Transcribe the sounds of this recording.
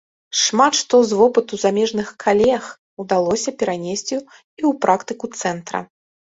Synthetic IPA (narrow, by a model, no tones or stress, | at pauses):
ʂmat̪ʂt̪ɔzvɔpɨt̪uzamʲɛʐnɨxkʰalʲɛjɐx | ud̪alˠɔsʲɐpʲɛɾanʲesʲt͡sʲi | iwpɾʔakt̪ɨkut̪sɛnt̪ɾɐ̰